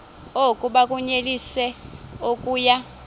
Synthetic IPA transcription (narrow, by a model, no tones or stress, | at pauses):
okʼuɓakʼuɲelisɛokʼuːja